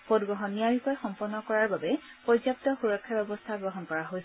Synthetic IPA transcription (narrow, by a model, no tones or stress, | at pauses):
potɡɹɔɦɔnːiaɹikɔjxɔmpɔnːɔkɔɹaɹbabɛ | pɔzɔp̚tɔxuɹɔkʰːjabɛbɔstʰaɡɹɔɦɔnkɔɹaɦojsɛ